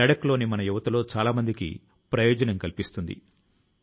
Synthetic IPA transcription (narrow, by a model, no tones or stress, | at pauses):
ɐɽɐklo̞ːnimɐnɐjuʋɐt̪ɐlo̞ːt͡ʃaːlaːmɐnd̪ikḭ | pɾɐjoːd͡ʒɐnɐmkɐlipist̪und̪ḭ